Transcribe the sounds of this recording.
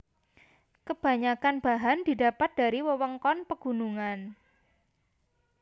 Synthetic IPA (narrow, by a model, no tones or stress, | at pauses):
kəb̥a̤ɲakanb̥aɦand̥i̤dapat̪̚d̥a̤ɾiwəwəŋkɔnpəɡ̥ṳnuŋan